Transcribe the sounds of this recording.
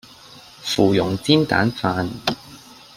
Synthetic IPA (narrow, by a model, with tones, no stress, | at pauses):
fuː˨˩jʊ˨˩ŋt͡siː˥nt̪a̰ː˨˥nfaː˧n